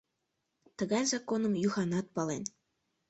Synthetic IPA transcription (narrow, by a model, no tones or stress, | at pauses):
t̪əɣɑjzɑkonɤ̆mjuxɑnɑt̪̚pɑlen